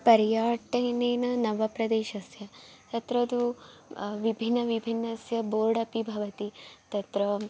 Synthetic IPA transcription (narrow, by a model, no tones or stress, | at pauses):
pɐɾjaːʈɐːneːnɐnɐʋɐpɾɐd̪eːʃɐsjɐt̪ɐt̪ɾɐd̪u | ʋibʱinːɐʋibʱinːɐsjɐboːɖɐpibʱɐʋɐt̪it̪ɐt̪ɾɐ